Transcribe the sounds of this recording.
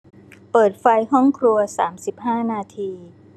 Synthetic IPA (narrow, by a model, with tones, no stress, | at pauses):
pɤː˨˩t̪̚fa˧jhɔ˥˩ŋkʰɾu˧ɐsa̰ː˩˦msi˨˩p̚haː˥˩naː˧t̪ʰiː˧